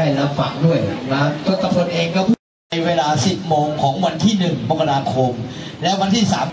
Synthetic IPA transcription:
a˥˩jla˦˥p̚fa˨˩ŋdu˥˩əjla˦˥t̪ʰo˦˥˩t̪ʰːa˧pʰo˧nʔeː˧ŋkɔː˥˩pʰu˥˩˧ | jweː˧laː˧si˨˩p̚moː˧ŋkʰɔː˩˦ŋwa˧nt̪ʰiː˥˩nɯ˨˩ŋboː˨˧˥kʰa˧ɾaː˧kʰo˧mlɛ˦˥wa˧nt̪ʰiː˥˩sa̰ː˩˦m

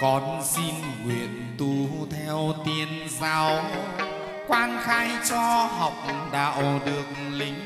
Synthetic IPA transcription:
kɔ˨˩nsi˧n | ŋwḭ˧˨ənt̪u˧t̪ʰɛ˧wt̪i˧ən | zaː˧˦w | kwaː˧nxaː˧jt͡ɕɔ˧ha˨wk͡p̚ɗa̰ː˧˨wɗɨ˨˩ək̚ | li˨˦ŋ̟

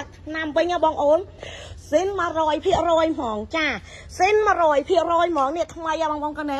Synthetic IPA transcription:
k̪̚ʰ | namʋɨɲʔaː˧ɓɑː˧ŋʔoː˧nsinmə˧rɔː˧jpʰi˧əʔrɔː˧jmɔː˨ŋt͡ɕaː˧ | sinmə̆˧rɔːəjpʰi˧˩əʔrɔː˧jmɔːŋni˧əʔt̪ʰməjʔaː˧ɓɑː˧ŋɓɑː˧ŋkɑ˧na˧

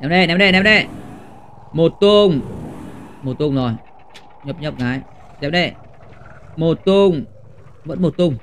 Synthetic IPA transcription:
nɛ˨mɗe˧˨nɛ˧˨mnɗe˧˩˨nɛ˧˨mɗe˧˩ | mo˨˩t̪ːu˧ŋ | mo˨˩t̪ːu˧ŋnɔ˨˩j | ɲo˧˩p̚ɲə˦˧p̚ŋaː˨˧˩j | nɛ˧˨mɗe˧˩ | mo˨˩t̪ːu˧ŋ | mə̰˧˥n̚mo˨˧˩t̪ːu˧ŋ

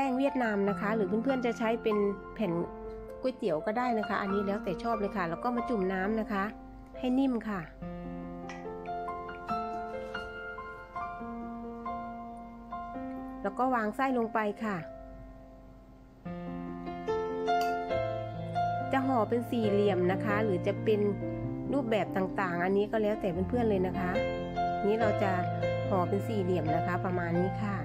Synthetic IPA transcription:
tɛː˥˩ŋwi˥˩ət̪̚naː˧mna˦˥kʰa˦˥lɯː˩˦pʰɯ˧˥˨npʰɯ˥˩ənt͡ɕa˨˩t͡ɕʰa˦˥jpe˧npʰɛ˨˩˦n | ku˧˩˨jt̪i˨˩˦əwkɔː˥˩daː˥˩jna˦˥kʰa˦˥ʔa˧nːiː˦˥lɛː˦˥wt̪ɛː˨˩t͡ɕʰɔː˥˩p̚lɤː˧jkʰa˧˥˩lɛː˦˧˩wkɔː˥˩maː˧˥t͡ɕu˨˩mnaː˦˥mna˦˥kʰa˦˥ʔ | ha˥˩jni˥˩˨mkʰa˥˩ | lɛː˧˩kɔː˧˥˩waː˧ŋsa˥˩jlo˧ŋpa˧jkʰa˥˩ | t͡ɕa˨ɦɔː˨˩˦pe˧nsiː˨˩li˨˩əmna˦˥kʰa˦˥lɯː˩˦t͡ɕa˨˩pe˧nluː˥˩p̚bɛː˨˩p̚t̪aː˨˩ŋt̪aː˨˩ŋʔa˧nːiː˦˥kɔː˧˩lɛː˦˥wt̪ɛː˨˩pe˨npʰɯ˥˩ənlɤː˧jna˦˥kʰa˦˥ʔ | a˧niː˦˥ɾa˧wt͡ɕa˨˩hɔː˩˦pe˧nsiː˨˩li˨˩əmna˦˥kʰa˦˥pa˧maː˧nːiː˦˥kʰa˥˩

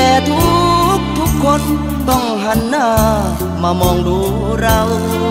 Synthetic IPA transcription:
ɛt̪u˦k̚t̪u˦kɔ˦n | t̪ɔ˧ŋɦanːa | mamɔ˧ŋdu˨ | ɾau

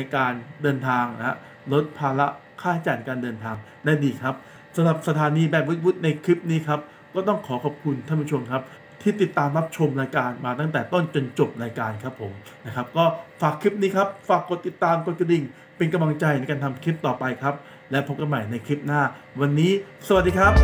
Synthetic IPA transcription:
na˧jkaː˧ndɤː˧nt̪ʰaː˧ŋna̰˦˥ | lo˦˥t̪̚pʰaː˧la˦˥ | kʰaː˥˩t̪ʰa˦˥˩t͡ɕa˧˩jna˧jkaː˧ndɤː˧nt̪ʰaː˧ŋ | daː˥˩jdiː˧kʰa˦˥p̚ | sa˨˧˦mɾa˨˩p̚sa˧t̪ʰaː˨˧˦niː˧bɛː˨˩p̚wu˦˥t̪̚wu˦˥t̪̚na˧jkʰi˦˥p̚niː˦˥kʰa˦˥p̚ | kɔː˥˩t̪ɔ˥˩ŋkʰɔː˩˦kʰɔ˨˩p̚kʰu˧nt̪ʰa˥˩pʰu˦˥t͡ɕʰo˧mkʰa˦˥p̚ | t̪ʰiː˥˩t̪i˨˩t̪ːaː˧mɾa˦˥p̚t͡ɕʰo˧mɾaː˧jkaː˧nmaː˧t̪̬a˥˩ŋt̪ɛː˨˩t̪o˥˩nt͡ɕo˧nt͡ɕo˨˩p̚ɾaː˧jkaː˧nkʰa˦˥pʰːo˩˦m | na˦˥kʰa˦˥p̚kɔː˥˩faː˨˩kʰːi˦˥p̚niː˦˥kʰa˦˥p̚faː˨˩kːo˨˩t̪ːi˨˩t̪ːaː˧mko˨˩t̪̚ka˧di˨˩ŋ | pe˧nka˧mla˧ŋt͡ɕa˧jna˧jkaː˧nt̪ʰa˧mkʰi˦˥p̚t̪ɔː˨˩pa˧jkʰɾa˦˥p̚ | lɛ˦˥pʰo˦˥p̚ka˧nma˨˩jna˧jkʰi˦˥p̚naː˥˩wa˧nːiː˦˥sa˧wa˨˩t̚diː˧kʰa˦˥p̚

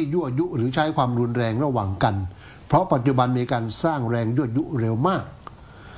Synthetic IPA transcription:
iː˥˩ju˥˩əju˦˥ɾɯː˩˦t͡ɕʰa˦˥jkʰwaː˧mɾu˧nɾɛː˧ŋɾa˧waː˨˩ŋka˧n | pʰɾɔ˦˥pa˨˩t̪̚t͡ɕu˨˩ba˧nmiː˧kaː˧nsaː˥˩ŋɾɛː˧ŋju˥˩ɐt̪̚ju˦˥ʔɾe˧wmaː˥˩k̚

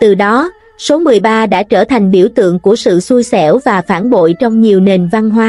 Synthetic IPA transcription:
t̪ɨ˨˩ɗɔ˨˦ | so˨˦mɨ˨˩əjɓaː˧ɗa̰ː˧˥t͡ɕəː˧˩t̪ʰa˨˩jŋ̟ɓi˧˩əwt̪ɨ̰˧˨əŋku˧˩əsɨ̰˧˨su˧jsɛ˧˩wvaː˨˩faː˧˩nɓo̰˧˨jt͡ɕɔ˧wŋ͡mɲi˨˩əwne˨˩nva˧nɦwaː˧˦

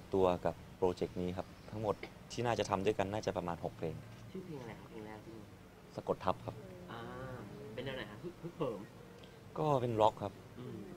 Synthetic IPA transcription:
t̪u˧ɐka˨˩pːɾoː˧t͡ɕe˨˩k̚niː˦˥kʰa˦˥p̚t̪ʰa˦˥ŋmo˨˩t̪̚ʰːiː˥˩naː˥˩t͡ɕa˨˩t̪ʰa˧mdu˥˩jka˧nːaː˥˩t͡ɕa˨˩pɾa˧maː˧nɦo˨˩k̚pʰeː˧ŋ | t͡ɕʰuː˥˩pʰeː˧ŋʔa˧la˧jkʰa˦˥pʰeː˧ŋlɛː˦˥˩wt̪ʰiː˥˩mi˧˩ | sa˧ko˨˩t̪ʰːa˦˥p̚kʰa˦˥p̚ʔaː˧˩pe˧nːɛː˧˩wna˧˩kʰa˦˥u˦˥˩pʰu˦˥˩t̪̚pʰɤː˩˦m | kɔː˥˩pe˧nlɔ˦˥kʰːa˦˥p̚ʔɯː˧m

